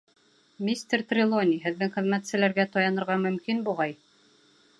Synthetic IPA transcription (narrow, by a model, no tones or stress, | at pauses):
mʲisʲt̪ʲert̪rʲɪlˠonʲiɦɘ̆ðːɘŋχɘ̆ðmæt̪sɘ̆læɾɡæt̪ɑjɑnɤ̆ɾʁɑmɵ̆mkinbuʁɑj